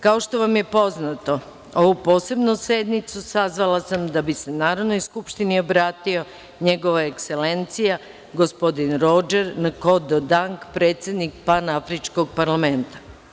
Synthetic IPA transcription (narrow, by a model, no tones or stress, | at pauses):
kao̞ʃt̪o̞ʋamje̞po̞znat̪o̞ | o̞ʋupo̞ːse̞bnuse̞d̪nit̪susazʋalasamd̪abise̞naːɾodno̞jskupʃt̪inio̞bɾaːt̪io̞ | ɲe̞ɡo̞ʋaekse̞le̞nt̪sija | ɡo̞spo̞d̪inɾo̞d͡ʒeɾnako̞d̪od̪aŋkpɾe̞ːt̪sʲjed̪nikpanaafɾit͡ʃkoɡ̚paɾlame̞nt̪ḁ